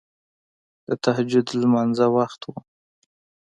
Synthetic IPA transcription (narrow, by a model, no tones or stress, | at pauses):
d̪̥ət̪ahd͡ʒʊd̪lmanzawaxt̪wu